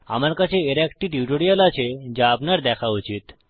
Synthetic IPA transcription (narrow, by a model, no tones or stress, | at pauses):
a̰maɾkat͡ʃʰeːɾɛkʈiʈjuʈoɽijalat͡ʃʰed͡ʒaːpnaɾd̪ɛkʰaut͡ʃit̪